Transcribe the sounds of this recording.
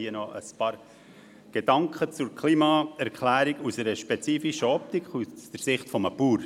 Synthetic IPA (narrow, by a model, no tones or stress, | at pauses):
iənɔʔə̰spɑːɾ | ɡ̥ed̥ɑŋkχət͡sʊɾkʰliːmɑɛɾkʰlæːɾiɡusɛɾəʃpɛt͡siːfiʃəɔp̚tikχussd̥əɾsɪχtfɔməpuːɾ